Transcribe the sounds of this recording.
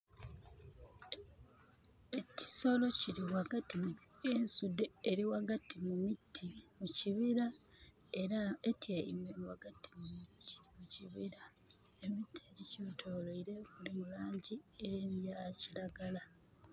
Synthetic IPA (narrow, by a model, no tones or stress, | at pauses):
eci̥so̞lo̞ciɾiwaɡatimensudːeːɾiwaɡatimumitʰːimuciβiɾa | eaetjeḭmweiwa̰ɡatʰi̥mu̥muciβiɾa | e̞mitːieɾicotʰoːloiɾe̞mulimulaːɲɟieɾjaciɾaɡala